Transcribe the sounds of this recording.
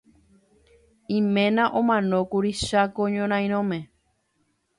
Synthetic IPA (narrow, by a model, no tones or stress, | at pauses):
ĩmẽ̞nãʔõmãnõkuɾiʃakoɲõɾ̃ãj̃ɾ̃õmẽ